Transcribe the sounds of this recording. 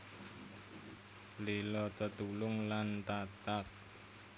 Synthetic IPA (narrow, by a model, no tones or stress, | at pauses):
lilɔt̪ət̪ulʊŋlant̪at̪ak̚